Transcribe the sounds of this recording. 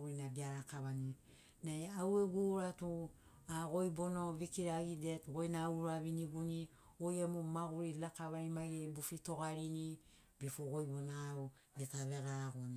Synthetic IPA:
ɡuɾinaɡiaɾakaβani | najaweɡuɾatu | aɡo̞jbonoβikiɾaɡidetɡo̞jnauɾaβiniɡuni | ojemomaɡuɾilakaβaimaɡebufito̞ɡaɾini | bifoɡo̞jbonau | detaβe̞ɡaɡon

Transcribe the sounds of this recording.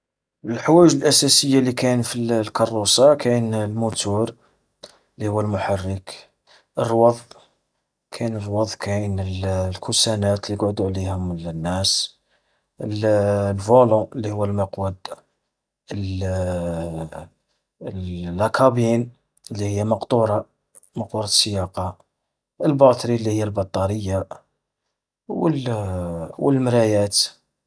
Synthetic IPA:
əlħwæʒəlʔæsæsəjːalikænfillkɑrˤːusɑkænlmʊt̪uɾ | lːihʊwːælmʊħarːək | ʔərˤːwɑðˤ | kʰænərˤːwɑðˤkʰænəllkusænæt̪liəɡʕʊd̪uʕlihʊməlnːæs | əllvolõəlːihʊwːælməqwəd̪ | əl | ækʰɑbin | əlːihəjːæmɑqt̪ˤuɾˤɑ | mɑqt̪uɾˤɑsːəjɑqɑ | əlbɑt̪ˤɾilːihəjːælbɑt̪ˤːɑɾəjːa | wəl | wəlmɾæjæt̪

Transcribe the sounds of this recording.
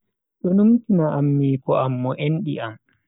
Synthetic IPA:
ɗɔnumtinaʔamːiːkɔʔamːɔʔenɗḭʔam

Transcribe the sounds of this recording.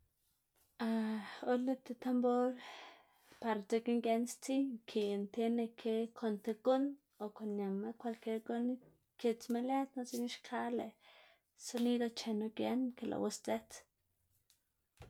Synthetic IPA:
aolet̪et̪amboɾ | paɾat͡sekiŋkjanst͡siŋkʰient̪enekʰekʰont̪ekon | okonɲamakwalkeɾkon | ket͡smelet̪not͡siniʃkʰale | sonid̪ot͡ʃenokjankelʔa̰wast͡set͡s

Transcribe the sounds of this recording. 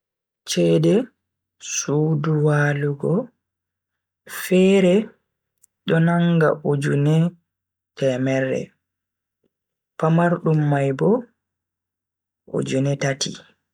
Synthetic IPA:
t͡ʃɛdɛ | suːduwaːluɡɔ | fɛːɾɛ | ɗɔnaŋɡa̰ʔud͡ʒunɛ | tɛmɛɾːɛ̰ | pamaɾɗumːajbɔ | ʔo̰d͡ʒunɛtatʰḭ

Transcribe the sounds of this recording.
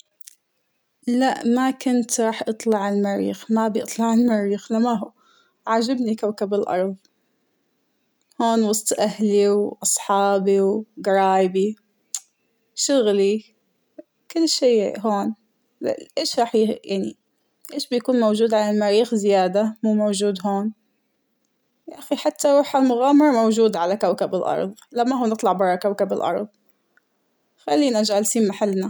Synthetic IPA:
laʔmakʊnt̪ɾˤɑːħʔɑt̪ˤlɑʕɪlmaɾḭːxmabjɨt̪ˤlɑʕɪlmaɾiːxlamaɦuː | ʕad͡ʒabnikawkabɪlʔɑ̰ɾˤðˤ | hoːnwɑsˤt̪ˤʔahliwʔɑsˤħɑːbiwɡɑɾˤɑːjbi | ʃʊɣli | kʊlːʃeːɦoːn | ʔeːʃɾˤɑːħjjaʕnḭ | ʔeːʃbɪjakuːnmowd͡ʒuːd̪ʕalalmaɾiːxzɪjaːd̪amuːmowd͡ʒuːd̪ɦoːn | jaʔaxiħat̪ːawɑħalmʊɣaːmɑɾˤɑmowd͡ʒuːd̪ʕalakawkabɪlʔɑ̰ɾˤðˤlamːaɦuːnɨt̪ˤlɑʕbɑɾˤɑkawkabɪlʔɑ̰ɾˤðˤ | xalːiːnʔad͡ʒalsiːnmaħalːna

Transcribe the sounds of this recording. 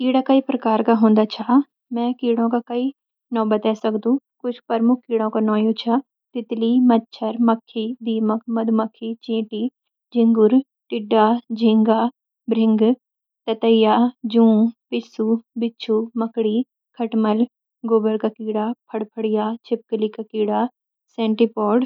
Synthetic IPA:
kiːɽaːkaiːpɾəkaːɾkaːɦõːnd̪aːt͡ʃʰaː | mɛ̃ːkiːɽõːkaːkəiː | nɔ̃ːbət̪ɛːsəkd̪ũːkʊt͡ʃʰpəɾmʊkʰkiːɽõːkaːnɔːjũːt͡ʃʰaː | t̪ɪt̪liːməd̪̚t͡ʃʰəɾməkʰːiːd̪iːmək̚ʰməd̪ʱuməkʰːiːt͡ʃẽːʈiː | d͡ʒɪ̃ŋɡʊɾ | ʈɪɖːaːd͡ʒɪ̃ŋɡaː | bɾɪ̃ŋɡ | t̪ɐt̪əɪjaːd͡ʒũːpɪsubɪt͡ʃʰuːmɐkɽiː | kʰɐʈməl | ɡoːbəɾkakiːɽaːpʰɐɽpʰəɽijaːt͡ʃʰɪp̚klikakiːɽaː | sɛ̃ːɳʈipɔːɖ

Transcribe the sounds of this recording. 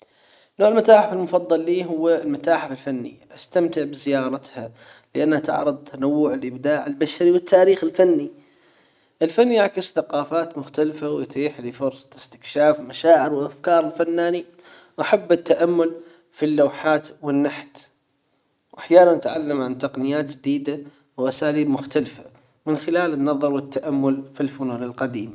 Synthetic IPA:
noːʕɪlmat̪aːħɪfɪlmʊfɑðˤːɑlːiːɦʊwːlmat̪aːħɪfɪlfanːḭʔast̪amt̪ɪʕbɪzɪjɑːɾˤɑt̪ha | lɪʔanːhat̪ɪ̰ʕɾɨd̪ˤt̪ʰanawːʊʕɪlʔɪbd̪aːʕɪlbaʃaɾiwɪt̪ʰːaːɾiːxɪlfanːi | ʔɪlfanːiʔaʕkɪsθaqɑːfaːt̪mʊxt̪alfawjt̪iːħlifʊɾsˤɑ̥ɪst̪ɪ̥kʃaːfmaʃaːʕɪɾwɪlʔafkɑːɾˤɪlfanːaːni | wʔaħabːɪt̪ːaʔamːʊl | filːawħaːt̪wɪnːaħt̪ | wʔaħjaːnanːɪt̪ʕalːamʕant̪ɑqnɪjaːt̪d͡ʒɪd̪iːd̪a | wʔasaːliːbmʊxt̪alfa | mɪnxɪlaːlɪnːɑðˤɑɾˤwɪt̪ːaʔamːʊlfilfʊnuːnɪlqɑd̪iːma

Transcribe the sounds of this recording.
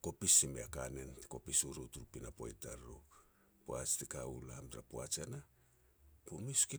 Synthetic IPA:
ko̞pisimeakanentko̞pisuɾotuɾupinapo̰jtaɾo | poat͡ʃtikaṵlamtɾapoat͡ʃana | pomiski

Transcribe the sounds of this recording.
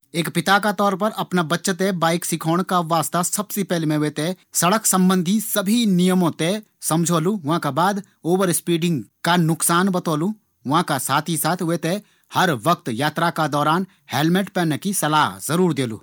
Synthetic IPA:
eːkpɪt̪akat̪ɔːɾpɐɾɐpnabɐtːʃt̪ebaːɪksɪkʰoːɽ̃kaʋaːst̪asɐbsepɛɦlemẽɦʊet̪e | sɐɽəksɐ̃mbə̃nd̪ʱisɐbʱinijəmõt̪e | sɐmd͡ʒʱoːluʋɦãkabaːd̪ | oːwəɾspiːɖɪ̃ŋɡkanʊksaːnbɐt̪oːlu | ʋɐɦãkasaːt̪ʰisaːt̪ʰʊet̪e | hɐɾʋək̚t̪jaːt̪ɾakad̪ɔːɾaːn | heːlmeʈpɛːnekisɐlaːɦzɐɾuːɾd̪eːlṵː

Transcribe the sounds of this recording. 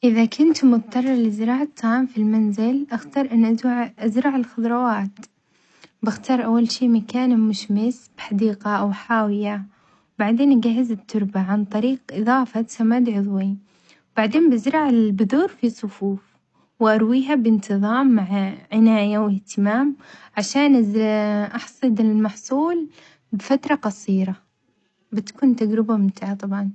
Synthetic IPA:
ʔɪðakʰʊnt̪mʊt̪ˤt̪ˤːɑrˤːɑɾˤlɪzɪɾɑːʕat̪ˤʰːɑːʕmfilmanzɪlʔaxt̪ɑːɾˤʔanːʔaʔazɾˤɑʕɪlxʊðˤɾˤɑwaːt̪ | bɪxt̪ɑːɾˤʔawːalʃiːmakaːnmʊʃmɪsb̥ħad̪iːqɑʔawħaːwɪja | wbaʕd̪eːnʔaɡaɦːɪzɪt̪ʰːʊɾˤbaʕant̪ˤɑɾiːqʔɨðˤɑːfɑsamaːd̪ʕʊðˤwi | wbaʕd̪eːnbɪzɾˤɑʕɪlbʊðuːɾfisˤʊfuːf | wʔɑɾˤwiːɦabɪnt̪ɨðˤɑːmːaʕʕɪnaːjawɪht̪ɪmaːmʕaʃaːnʔɪzʔɑħsˤɨd̪ɪlmɑħsˤuːl | bɪfat̪ɾˤɑqɑsˤiːɾa | bɪt̪kuːnt̪aɡɾɪbamɪnt̪aːʕat̪ˤɑbʕɑn

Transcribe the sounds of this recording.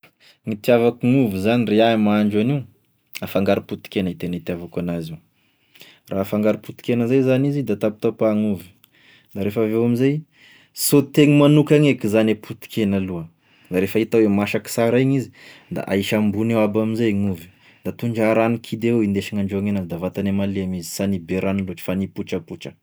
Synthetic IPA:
ŋit̪iavakuŋuvizanireamaaɳd͡ʒaniw | afaŋɡaɾiput̪i̥kenait̪enait̪iavakanaziw | raafaŋɡaɾiput̪i̥kenəzajzanizid̪at̪ap̚t̪apaŋuvi̥ | d̪aɾefavewamizaj | sot̪eŋimanukaŋekizanepʰut̪i̥kenaluə | d̪aɾefait̪awemaʃaki̥saɾaɲizi̥d̪a̰ʔa̰iʃambunewabaminzajaŋuvi̥ | d̪̥at̪uɳd͡ʒaɾanikʰid̪ewewind̪eʃiŋaɳɖ͡ʐoaŋenazid̪avat̪anemaleamizi̥sanibeɾanloʈ͡ʂi̥fanipuʈ͡ʂəpuʈ͡ʂə̥

